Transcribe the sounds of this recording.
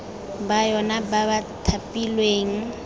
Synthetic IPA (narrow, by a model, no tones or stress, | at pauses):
bajɔnababatʰapʼilweːŋ̩